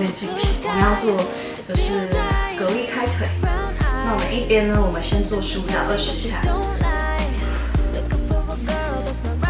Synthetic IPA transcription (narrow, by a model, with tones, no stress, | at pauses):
ə˥˧nt͡ɕi˥˩ŋʈ͡ʂʰu˨˩pu˨˩˦jɑ˥˧ʊt͡swɔ˥˧˩ | ʈ͡ʂə˧˩ʂɻ̩˥˩kɤ˧˥li˥˧kʰa˥ɪt̪ʰwe˨˩˦ɪna˥˩wɔ˨˩mə˦ni˥˩pjɛ˥nnə˧wɔ˨˩mə˨˦nɕjɛ˥nt͡swɔ˥˧ʂɻ̩u˥u˧˩ljɑ˨˩ʊd̪ə˨˩ʂɻ̩˧˥ɕja̰˥˩